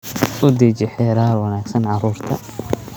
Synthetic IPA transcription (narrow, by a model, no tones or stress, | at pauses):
ʊd̪it͡ʃɪħɛːɾaːrwɑnaːɡsɐnʕɑɾuːrt̪ʰɐ̰